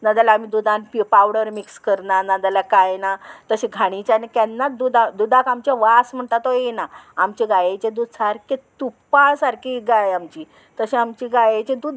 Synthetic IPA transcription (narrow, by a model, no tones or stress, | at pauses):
nad̪alaam̤id̪ud̪ʱãnpipawɽəɾmikskəɾnanad̪alakajnat̪əɕẽɡʱaɽ̃it͡ɕanekɛnːad̪ud̪ad̪ud̪ʱakamt͡ɕaʋasm̤əɳt̪at̪ojenaamt͡ɕiɡajet͡ɕẽd̪ud̪saɾkʰet̪upːasaɾkiɡajamt͡ɕiː | t̪əɕẽamt͡ɕiɡajet͡ɕẽd̪uːd̪